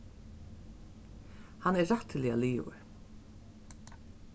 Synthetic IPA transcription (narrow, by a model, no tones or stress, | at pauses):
hanːɛːaht̪ɪlialiːvə̰ɹ